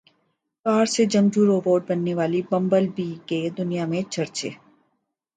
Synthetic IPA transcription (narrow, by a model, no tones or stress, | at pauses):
kaːɾsed͡ʒɐmd͡ʒuɾoːʋoːʈ̚bɐnːeʋaːlibɐ̃mbəlbiked̪ʊnijamẽt͡ʃʰɐɾt͡ʃḛː